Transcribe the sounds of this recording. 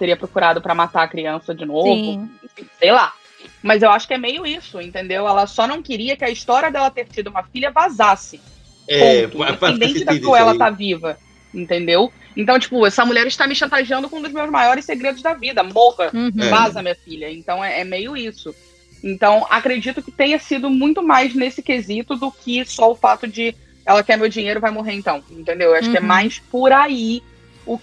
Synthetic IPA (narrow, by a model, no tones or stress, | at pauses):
t̪eɾiɐpɾokuɾad̪ʊpɾɐmat̪aɐkɾiɐ̃sɐd͡ʒɪnovʊĩsejla | mɐzewaʃʊ̥kɪɛmejʊisʊẽnt̪ẽnd̪ewɛlɐsɔnɐ̃w̃kɪɾiɐkɪɐist̪ɔɾiɐd̪ɛlɐt̪eɾt͡ʃid̪ʊũmɐfiʎʲɐvazasɪ | õʊepẽnd̪ẽnt͡ʃɪd̪aoɛlɐt̪avivɐ | ẽnt̪ẽnd̪ew | ẽnt̪ɐ̃w̃t͡ʃi̥pʊɛsɐmuʎɛɾɪʃt̪amɪʃɐ̃nt̪aʒiɐ̃nd̪ʊkõũd̪ʊzmewzmajɔɾɪseɡɾed̪ʊzd̪ɐvid̪ɐmoʁɐvazɐmĩɲɐfiʎɐẽnt̪ɐ̃w̃ɛɛmejʊisʊ | ẽnt̪ɐ̃w̃a̰kɾed͡ʒit̪ʊkɪ̥t̪ẽj̃ɐsid̪ʊmũj̃t̪ʊmajznesɪkezit̪ʊd̪ʊkɪsɔʊfat̪ʊd͡ʒɪ | ɛlɐkɛmewd͡ʒĩɲejɾʊvajmoɦeɾẽnt̪ɐ̃w̃ẽnt̪ẽnd̪ewewaʃʊkɪɛmajspʊɾai | ʊk